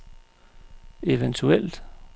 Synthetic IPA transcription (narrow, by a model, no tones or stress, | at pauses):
e̝ʋənt͡sʰuel̰d̥